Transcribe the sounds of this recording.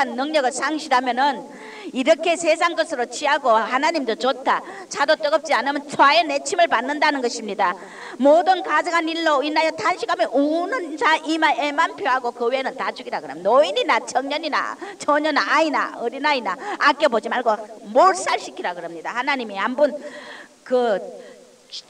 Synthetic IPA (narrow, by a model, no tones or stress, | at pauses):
anːʌŋɲʌɡɯɭsʰaŋɕʰiɾamjʌnɯn | iɾʌkʰe̞sʰes̬ʰaŋɡʌsʰɯɾot͡ɕʰiɦaɡohanaɲimdot͡ɕotʰa | t͡ɕʰadot͈ʌɡʌp̚t͡ɕ͈ianɯmjʌnt͡ɕʰoajenet͡ɕʰimɯɭpanːɯndanɯnɡʌɕʰimɲida | modɯnkad͡ʑɯŋaniɭːoinajʌtʰanɕʰiɡameʔonɯnd͡ʑaʔimaʔemanpʰjoɦaɡokɯwienɯntad͡ʑuɡiɾaɡɯɾʌmnoiɲinat͡ɕʰʌŋɲʌɲina̰t͡ɕʰoɲʌnaina̰ʌɾinainaak͈ebod͡ʑimaɭɡomoɾs͈aɭɕ͈ʰikʰiɾaɡɯɾʌmɲidahanaɲimiɦambun | kɯ